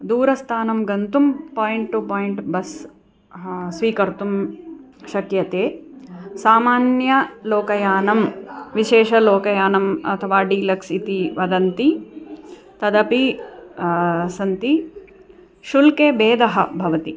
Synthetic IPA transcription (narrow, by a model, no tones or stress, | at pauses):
d̪uːɾɐst̪ʰaːnɐmɡɐnt̪umpoːjiɳʈʈupoːjiɳʈbɐs | sʋiːkɐɾt̪um | ʃɐkjɐt̪eːsaːmaːnjɐloːkɐjaːnɐmʋiʃeːʃɐloːkɐjaːnɐmɐ̰t̪ʰɐʋaːɖiːlɐksit̪iʋɐd̪ɐnt̪i | t̪ɐd̪ɐpi | sɐnt̪i | ʃulkeːbeːd̪ɐɦɐbʱɐʋɐt̪i